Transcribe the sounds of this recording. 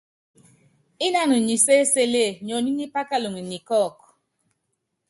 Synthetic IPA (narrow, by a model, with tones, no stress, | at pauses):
i˦na˦nu˨ɲi˨se˦se˦le˦˨ɲɔ˨ni˦ni˦pa˦ka˦lu˨ŋi˨ni˨kɔ˦˨k